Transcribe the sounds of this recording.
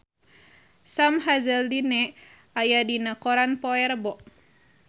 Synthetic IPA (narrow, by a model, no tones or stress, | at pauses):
samɦazəldinɛ | ajadinakɔɾanpɔɛɾbɔʔ